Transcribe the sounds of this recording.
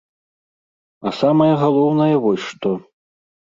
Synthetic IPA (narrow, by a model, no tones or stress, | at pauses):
ɐsamɐjɐɣalˠɔwnɐjɐvɔjʲʂt̪ɔ